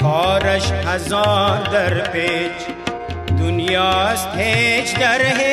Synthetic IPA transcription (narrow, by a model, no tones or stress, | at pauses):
kɔːɾɐʃhɐzɑːɾd̪ɐɾpeːt͡ʃ | d̪ʊnjaːst̪ʰeːt͡ʃd̪ɐɾɦe